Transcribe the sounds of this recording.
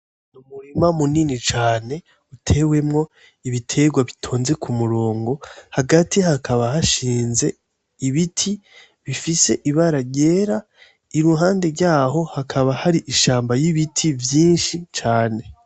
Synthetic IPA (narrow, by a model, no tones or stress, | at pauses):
numuɾimamuninit͡ʃaːne̞ | utʰe̞we̞mŋo̞ | iβitʰe̞ɡwaβitʰoːnze̞kʰumuɾo̞ːŋɡo̞haɡatʰihakʰaβahaʃiːnze̞ | iβitʰi | βifise̞ʔiβaɾaɟe̞ːɾa | iɾuɦaːnde̞ɾɟaːɦo̞hakʰaβahaɾiʔiʃaːmbajiβitʰivjiːnʃit͡ʃaːne̞